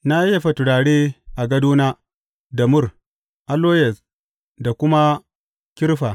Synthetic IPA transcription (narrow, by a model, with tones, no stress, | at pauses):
na˦je˦˨ɸɐ˨tʊ˨ɽaː˨ɽeː˦ʔa˨ɡɐ˦duː˦naː˦ | dɐ˨mʊ˦r | ʔa˨loː˦jɛ˨s | da˨kʷʊ˦ma˦ | kʲɪ˦ɾɸa˨